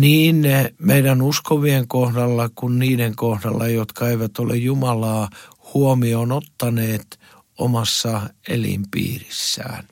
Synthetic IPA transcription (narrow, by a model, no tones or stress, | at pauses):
niːnmeiɾænuskoʋieŋkohdɑlːɑkunniːɾeŋkohdɑlːɑjot̪kɑeiʋæt̪olḛjjumɑlɑː | huomionot̪ːɑneːt̪ | o̰mɑsːɑḛlḭmpḭːrisːæ̰ːn